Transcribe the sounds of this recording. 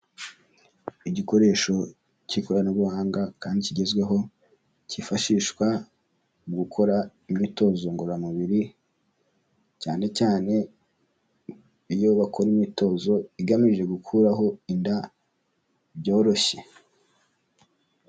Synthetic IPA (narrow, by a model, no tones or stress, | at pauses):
iɟiko̞ɾe̞ːʃo̞ | cikoɾanoβuhaːŋɡakaːndiciɟe̞zɡwe̞ɦo̞ | cifaʃiːʃkwa | uɡukʰo̞ɾa | imito̞ːzo̞ŋɡoɾamuβiɾi | caːne̞caːne̞ | ijo̞βakʰo̞ɾimito̞zo̞iɡamiʒe̞ɡukʰuɾaɦo̞inda | bɟo̞ːɾo̞çe̞